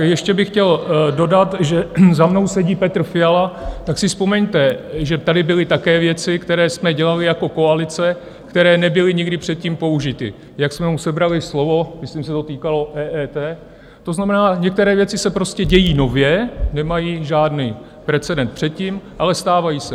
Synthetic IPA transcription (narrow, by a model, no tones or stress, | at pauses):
jɛʃcɛbɪxːcɛldo̞dat̪ʒɛzamno̞wsɛɟiːpɛt̪r̩fɪalat̪aksɪspomɛɲt̪ɛʒɛt̪adɪbɪlɪt̪akɛːvjɛt͡sɪkt̪ɛɾɛːsmɛɟɛlalɪjako̞ko̞alɪt͡sɛ | kt̪ɛɾɛːnɛbɪlɪɲɪɡdɪpr̝̥ɛt̪̚ciːmpo̞uʒɪt̪ɪ̰ | jaksmɛmusɛbɾalɪslo̞vo̞mɪsliːmsɛt̪o̞t̪iːkalo̞ʔɛːʔɛːt̪ɛː | t̪o̞znamɛnaːɲɛk̚t̪ɛɾɛːvjɛt͡sɪsɛpɾo̞scɛɟɛjiːno̞vjɛnɛmajiːʒaːdniː | pɾɛt͡sɛdɛnt̪̚pr̥ɛt̪ciːmʔalɛst̪aːvajiːsɛ